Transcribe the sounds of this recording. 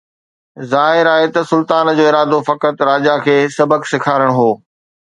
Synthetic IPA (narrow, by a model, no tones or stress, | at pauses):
zaːɦɪɾaːɦet̪ɐsʊlt̪aːnd͡ʑoːɪɾaːd̪ofɐkət̪ɾaːd͡ʑakʰeːsɐbəksɪkʰaːɾəɽ̃ɦoː